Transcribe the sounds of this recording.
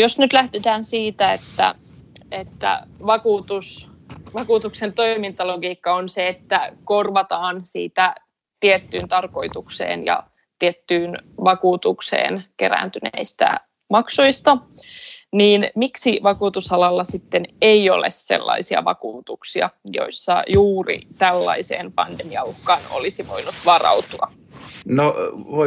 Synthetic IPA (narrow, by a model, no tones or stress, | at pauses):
josnyt̪læhd̪et̪æːnsiːt̪æet̪ːæ̰ | et̪ːæ̰ʋɑkuːt̪us | ʋɑkuːt̪uksent̪o̞imint̪ɑloɡiːkːɑonseet̪ːækorʋɑt̪ɑːnsḭːt̪æ | t̪iet̪ːyːnt̪ɑrko̞it̪uksḛːnjɑ̰ | t̪iet̪ːyːnʋɑkuːt̪uksḛːnkeɾæ̰ːnt̪ynḛist̪æ̰ | mɑksujst̪ɑ | niːnmiksiʋɑkuːt̪usɑlɑlːɑsit̪ːeneio̞̰lḛsse̞̰lːɑ̰isiɑ̰ʋɑ̰kuːt̪uksiɑ̰jo̞̰isːɑ̰juːrḭt̪ælːɑ̰isḛːnpɑndemiɑ̰uhkɑːno̰lisiʋo̞̰inut̪ʋɑrɑ̰ut̪uɑ | no